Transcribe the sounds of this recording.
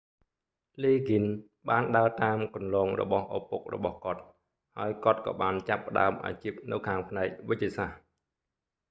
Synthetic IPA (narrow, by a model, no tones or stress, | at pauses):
liːɡin | ɓaːnɗaət̪aːmkɑnlɑːŋrɔ̰ɓɑhʔopok̚rɔ̰ɓɑhkŏət̪̚ | haəjkŏət̪̚kɑ̰ːɓaːnt͡ɕapːə̆ɗa̰əmʔa̰ːt͡ɕip̚nɨwkʰaːŋpʰnaɛk̚ʋɨc̚ːiəsah